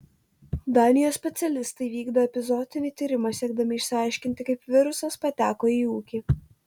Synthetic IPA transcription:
d̪ɑːnʲɪjoːssʲpʲɛt̪sʲɛlʲɪst̪ɐɪʋʲiːɡd̪oːɛpʲɪzɔd̪ʲɪnʲɪt̪ʲiːɾʲɪmɐsʲiɛɡ̚d̪ɐmʲɪːʃʲsʲɪɑˑɪʃʲkʲɪnʲt̪ʲɪkɐɪpʲʋʲɪɾʊsɐspɐt̪ʲæːkoːiːuːkʲiː

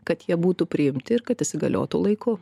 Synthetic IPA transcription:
kɐt̪jiɛbuːt̪upʲɾʲɪɪmʲt̪ʲɪɪɾkɐt̪ɪʃʲsʲɪɡɐ̰lʲo̰ːt̪uːlˠɐɪkʰʊ

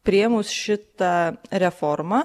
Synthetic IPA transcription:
pʲɾʲɪɛmʊsʃʲɪt̪ɑɾʲɛfɔɾmɑ

